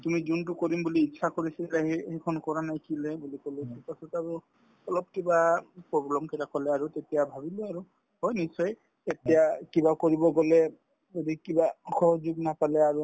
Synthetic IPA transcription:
tumizunt̬ʊkoɹimbuliːʃʰakoɹisilaɦehekʰɔnkɔɹanajkʰilɛbulikolisɛpasɔtaɹu | ɔlɔb̚kibapɹɔblɔmkɛtakɔlɛaɹutetijabʱabiloaɹu | hɔjnisɔj | etijakibakoɹibɔɡɔlɛ | odikibaxɔɦɔd͡ʒuɡnapalɛaɹu

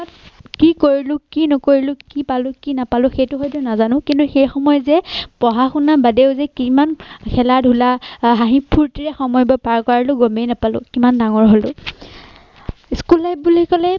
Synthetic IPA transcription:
at̚kikoɹilʊ̃kinɔkoɹilʊ̃kipalʊ̃kinapalʊ̃xejtʊxɔjt̬ʊnazanʊ̃kintuxejxɔmɔjɔzɛpɔɦaxunabadeʊzɛkimankʰɛladʱulaɦaɦipʰuɹtiɹɛxɔmɔjbɔpaɹkɔɹilʊɡomejnapalʊ̰̃kimandaŋɔɹɦolʊ̰ | skulːaj̚bulikɔlɛ

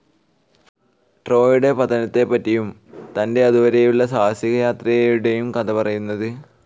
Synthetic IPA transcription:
ʈro̞ːjuɽe̞pɐt̪ːɐnɐt̪ːe̞pːɐtːijum | t̪ɐnde̞ɐðuʋɐɾejuɭːɐsaːsjiɣɐjaːt̪rɐjɐjuɽe̞jumkɐd̪ɐpɐrɐjunːɐðɨ

